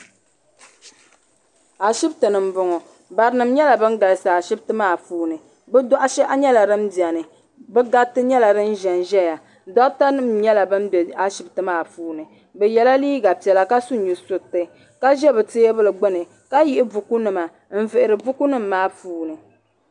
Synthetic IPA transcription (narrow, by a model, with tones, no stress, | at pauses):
a˨ʃi˦btɨ˨nɨ˨m˦bʊ˨˦ŋɔ˨ | ba˨ɾɨ˦nɨ˨m˦ɲɛ˦la˨bɨ˦n˦ɡa˨lɨ˨sa˨a˨ʃi˦btɨ˦maː˦˨fuː˦nɨ˨ | bɨ˦dɔ˦ʔa˦ʃɛ˦ʔa˦ɲɛ˦la˨ɾɨ˦mdi˨ɛ˨nɨ˨ | bɛ˦ɡa˦tːɨ˦ɲɛ˦la˨ɾɨ˦n˦ʒɛ˨nʒɛ˦ja˨ | dɔ˦ʔta˦nɨ˦mɲɛ˦la˨bɨ˦m˦bɛ˨a˦ʃi˦btɨ˦maː˦fuː˦nɨ˨ | bɛ˨jɛ˨la˦liː˦ɡa˨pi˨ɛ˨la˨ka˦su˦ɲu˨sʊ˨tːɨ˨ | ka˦ʒɛ˦bɨ˨te˦bɨ˦lɨ˨ɡ͡bɨ˦nɨ˨ | ka˦jɪ˦ʔɪ˦vu˨ku˦nɨ˨ma˨ | m̩˦vɨ˨ʔɪ˨ɾɨ˨bʊ˦ku˦nɨ˦m̩ː˦aː˦fuː˦nɨ˨